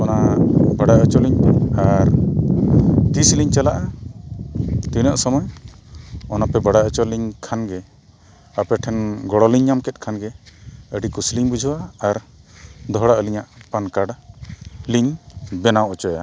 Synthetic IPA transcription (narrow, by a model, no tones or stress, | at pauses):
ɔnabaɽaət͡ʃɔliɲaɾ | t̪isliɲt͡ʃalaʔa | t̪inəʔsɔmɔj | ɔnapɛbaɽaət͡ʃɔliɲkʰanɡɛ | apɛʈʰɛnɡɔɽɔliɲːamkɛt̪̚kʰanɡɛəɖikusliɲbud͡ʒʱɔaaɾd̪ɔɦɽaʔəliɲaʔpankaɽ | liɲbɛnawʔɔt͡ʃɔja̰